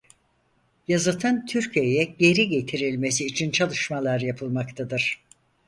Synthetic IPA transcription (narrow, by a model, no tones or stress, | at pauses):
jazɯt̪ʰɯnt̪ʰyɾcʰije̞jɛɟe̞ɾiɟet̪ʰiɾilʲme̞siːt͡ʃʰint͡ʃʰalˠɯʃmalˠaɾjapʰɯlˠmakt̪ʰad̪ɯɾ̥